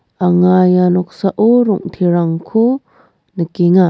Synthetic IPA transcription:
ʔaŋajanɔk̚saʔɔɾɔŋt̪ʰiɾaŋkʰu | nəkiŋa

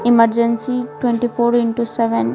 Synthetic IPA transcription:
iməɾd͡ʒẽnsiʈwẽɳʈipʰoːɾiɳʈusɛʋen

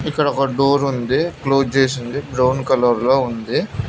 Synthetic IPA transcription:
ikːɐɽɔkɐɖoːɾund̪ikloːt͡ʃeːs̬ind̪ibɾɐwnkɐlɐɾloːund̪i

